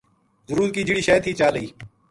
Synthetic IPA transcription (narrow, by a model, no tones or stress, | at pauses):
zʊɾuːɾkiːd͡ʒiɽiːʃɛːt̪ʰiːt͡ʃaːləiː